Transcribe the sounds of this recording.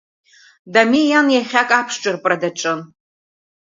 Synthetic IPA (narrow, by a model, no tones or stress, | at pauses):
damijanjaχʲakʼapʰʂʈ͡ʂʼɨrpʼradaʈ͡ʂʼɨn